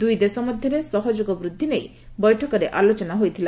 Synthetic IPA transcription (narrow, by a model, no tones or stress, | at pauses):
d̪ujd̪esɔmɔd̪ʱjɔɾesɔɦɔd͡ʒoɡɔbɾud̪ʱːinej | bɔjʈʰɔkɔɾeʔalot͡ʃɔnaɦojt̪ʰila